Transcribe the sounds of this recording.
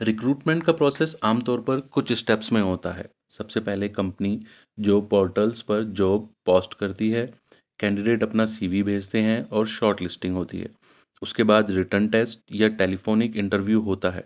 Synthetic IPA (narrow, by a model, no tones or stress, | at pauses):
ɾɪkɾuːʈmɛ̃ɳʈkapɾɔːseːsaːmt̪ɔːɾpɐɾkʊt͡ʃʰɪsʈɛpsmẽɦoːt̪aɦɛ̰ː | sɐbsepɛɦlekɐ̃mpni | d͡ʒoːpɔːɾʈəlspɐɾd͡ʒoːbpɔːsʈkɐɾt̪iɦɛː | kɛ̃ːɳɖɪɖeːʈɐpnasiːʋibʱeːd͡ʒt̪eɦɛ̃ʔɔːɾʃɔːɾʈlɪsʈɪ̃ŋɡɦoːt̪ḭɦɛ̰ː | ʊskebaːd̪ɾɪʈəɾnʈeːsʈjaʈeːlɪfoːnɪkɪ̃ɳʈəɾʋjuɦoːt̪aɦɛ̰ː